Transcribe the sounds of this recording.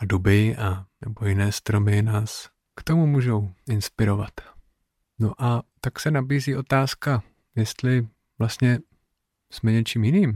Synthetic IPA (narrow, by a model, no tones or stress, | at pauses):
adubɪʔanɛbo̞jɪnɛːst̪ɾo̞mɪnaːs | kt̪o̞mumuːʒo̞wɪnspɪɾo̞vat̪ | noʔat̪aksɛnabiːziːʔo̞t̪aːska | jɛst̪lɪ | vlast̪ɲɛ | smɛɲɛt͡ʃiːmjɪniːm